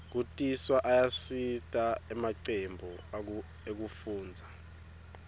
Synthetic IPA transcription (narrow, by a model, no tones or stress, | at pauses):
k̬utʼiswaʔajasitʼaɛmaǀembʱu | ek̬ufuːnd͡zʱa